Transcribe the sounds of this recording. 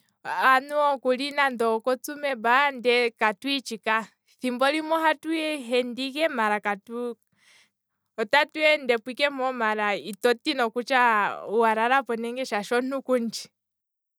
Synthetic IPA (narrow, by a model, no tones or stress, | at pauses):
anuɔkulinandɔkɔt͡sumɛbandɛkatwit͡ʃika | θimbɔlimɔɦatuɛɦɛndikɛmaɾakatu | ɔtatuɛndɛpwikɛmɔmaɾaitɔtinɔkut͡ʃauwaɾaɾapɔnɛŋɡɛʃaʃɔnukund͡ʒi̥